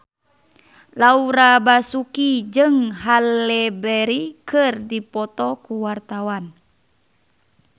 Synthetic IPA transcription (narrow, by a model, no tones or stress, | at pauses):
lauɾabasukid͡ʒɨŋɦalːɛbɛɾikʰɨrdipɔt̪ɔkuwart̪awan